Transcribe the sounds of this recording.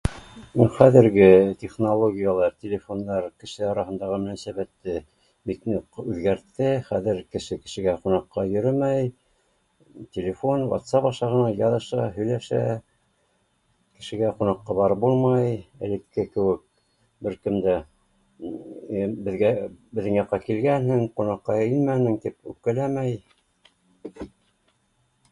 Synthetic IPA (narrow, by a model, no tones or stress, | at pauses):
uχæðɘ̆ɾɡɘtʲeχnolˠoɡʲijalˠɑɾtʲelʲefo̞nːɑɾkɘ̆ʃɘɑɾɑɦɤ̆nd̪ɑʁɤmɘ̆næsæβæt̪ːɘ | biknuqʉðɡæɾt̪ːɘχæðɘɾkɘ̆ʃɘkɘ̆ʃɘ̆ɡæqunɑqːɑjɵ̆ɾɘmæj | tʲelʲefo̞nwɑ̰t̪sɑpɑʃɑʁɤ̆nɑjɑðɤ̆ʃɑɦɵ̆jlæʃæ̰ | kɘ̆ʃɘ̆ɡæqunɑqːɑbɑɾɤp̚bulˠmɑjɘ̰̆lɘ̆kːɘkɘ̆wɘk̚ | bɘɾkɘ̆md̪æ | bɘ̆ðɡæbɘ̆ðːɘŋjɑqːɑkilɡænhɘŋqunɑqːɑenmænɘ̆ŋt̪ipʉp̚kælæmæj